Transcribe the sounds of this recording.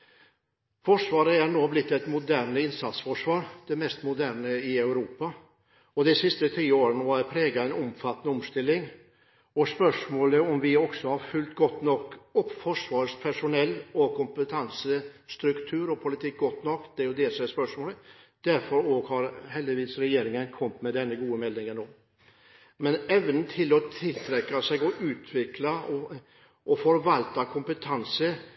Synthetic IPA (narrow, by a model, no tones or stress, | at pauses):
fɔʂʋɑːɾəæɾɳoːblɪt̪ːɛɪt̪mʊd̪æːɾɳəɪnsɑt̪sfɔʂʋɑːɾd̪̥ɛmɛst̪mʊd̪æːɾɳəɪœʉɾuːpɑ | ɔd̪ɛsɪst̪ət̪ʰiːoːɾənəʋɑɾpʰɾeːɡɑɛɪnɔmfɑt̪ːənəɔmst̪ɪlːɪŋ | ɔspœʂmoːləɔmʋɪɔksɔhɑɾfʉlt̪ɡɔt̪ːnɔkːɔpːfɔʂʋɑːɾspʰæʂʊnɛlːɔkʰʊmpət̪ʰɑnsəst̪ɾʉkt̪ʰʉːɾɔpʰʊlɪt̪ʰɪk̚ːɡɔt̪nɔkːd̪̥ɛæɾjʊd̪ɛsɔmæspœʂmoːləd̪̥æɾfɔɾoːɡhɑɾɦɛld̪ɪʋiːsɾɛjeːɾɪŋənkʰɔmt̪mɛd̪ɛnːəɡuːəmɛlːɪŋənoː | mɛnɛʋənn̩t̪ʰɪlɔt̪ʰɪlt̪ʰɾɛkːɑsɛɡɔʔʉːt̪ʰʋɪklɑɔ | ʔɔfɔɾʋɑlt̪ɑkʰʊmpət̪ʰɑnsə